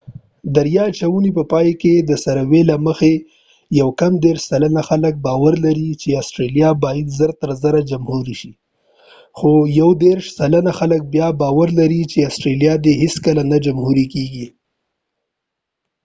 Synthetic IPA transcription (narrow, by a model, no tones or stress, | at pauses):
d̪aɾjɑt͡ʃawunipəpɑjked̪əsaɾawelaməxe | jawkamd̪eɾʃsalanaxalək̚bɑwaɾlaɾit͡ʃeasʈɾelijɑbɑjad̪zəɾt̪əɾzəɾad͡ʒamhuɾiʃi | xojawd̪eɾʃsalanaxalək̚bjɑbɑwaɾlaɾit͡ʃeɑsʈɾeljɑd̪eɦɪskəlanad͡ʒamhuɾikeɡi